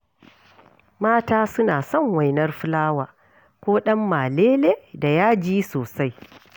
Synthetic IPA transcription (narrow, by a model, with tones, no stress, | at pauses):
maː˦taː˦sʊ˦naː˨sɔ˦˨ŋwa˨jnɐ˦rɸɪ˦laː˦waː˨ | kʷoː˦ɗɐ˦mːaː˨leː˦leː˦da˨jaː˦d͡ʒiː˦soː˨sa˦j